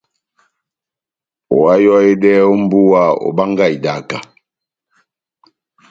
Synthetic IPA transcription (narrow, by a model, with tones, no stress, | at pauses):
o˨a˦jɔ˦e˦dɛ˦o˦m˦bu˦wa˦o̰˨ba˦ŋɡa˦˨i˨da˨ka˨